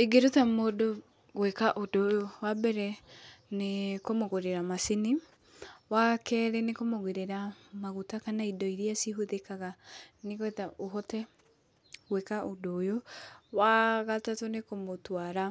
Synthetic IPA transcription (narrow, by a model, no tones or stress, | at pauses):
eɡeɾotamodo | ɣwekaʔodojowabɛɾɛnekomoɣoɾeɾamasini | wakɛɾɛnekomoɣweɾeɾamaɣutakanaidɔiɾiasiɦuðekaɣaneɣwɛtaoɦɔtɛ | ɣwekaʔodoːjowaɣatatonekomotwaɾa